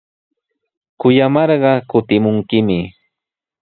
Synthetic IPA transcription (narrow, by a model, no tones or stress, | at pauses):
kʊjamɑɾɢɑkʊt̪ɪmʊŋkɪmɪ